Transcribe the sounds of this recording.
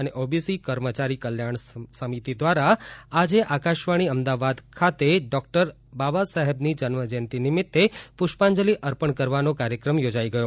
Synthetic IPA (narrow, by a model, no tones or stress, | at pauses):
əneʔobisikəɾmət͡ʃaɾikəljaɳsəmit̪id̪ʋaɾaad͡ʒeʔakaʃʋaɽ̃iəmd̪aʋad̪kʰat̪eɖɔk̚ʈəɾ | babasəɦɛbnid͡ʒənməd͡ʒɛnt̪inɪmɪt̪ːepʊʃpãɲd͡ʒəliʔəɾpəɳkəɾʋanokaɾjəkɾəmjod͡ʒaiɡəjo